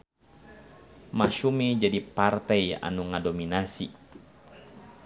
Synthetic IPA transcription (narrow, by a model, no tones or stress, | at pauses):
maʃumid͡ʒadipart̪ɛia̰nuŋadominasḭ